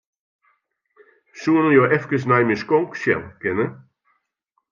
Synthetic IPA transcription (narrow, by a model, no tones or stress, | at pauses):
suənəjoːʔɛfkəs̬najmiskoŋksjɛ̰lˠkɪnə